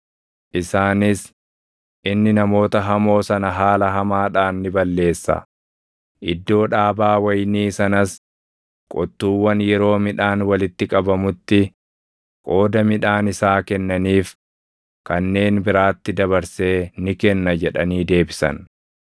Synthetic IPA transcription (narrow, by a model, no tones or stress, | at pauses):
ʔɪsaːnɪs | ʔɪnːɪnɐmo̞ːt̪ɐɦɐmo̞ːsɐnɐɦaːlɐɦɐmaːᶑaːnːɪbɐlːe̞ːsːɐ̰ | ʔɪd̪ːo̞ːᶑaːbaːwɐjniːsɐnɐs | kʼɔt̪ːuːwːɐnjɛɾo̞ːmɪᶑaːnwɐlɪt̪ːɪkʼɐbɐmʊt̪ːɪ | kʼo̞ːd̪ɐmɪᶑaːnɪsaːkɛnːɐniːf | kɐnːe̞ːnbɪɾaːt̪ːɪd̪ɐβɐɾse̞ːnɪkɛnːɐd͡ʒɛᶑɐniːd̪e̞ːbɪsɐ̰n